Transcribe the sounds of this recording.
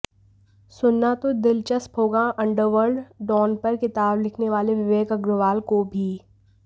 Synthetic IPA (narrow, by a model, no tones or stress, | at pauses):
sʊnːat̪od̪ɪlt͡ʃəspɦoːɡaʔɐ̃ɳɖəɾʋəɾɖɖɔːnpɐɾkɪt̪aːblɪkʰneʋaːleʋɪʋeːkɐɡɾʊʋaːlkobʱiː